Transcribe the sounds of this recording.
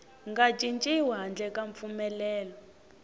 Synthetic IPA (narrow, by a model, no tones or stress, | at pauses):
ŋɡad͡ʒʱint͡ʃʼiwaɦand͡ɮɛkaɱp̪fumɛlɛːlɔ